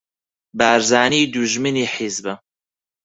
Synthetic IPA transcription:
baːɾzaːniːd̪uʒmɨniːħizbɐ

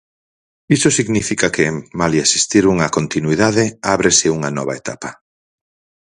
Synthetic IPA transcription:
isosiɣnifikakɪmaliasi̥st̪iɾuŋɐkont̪inwiðaðɪaβɾesɪuŋɐnɔβaet̪a̰pɐ

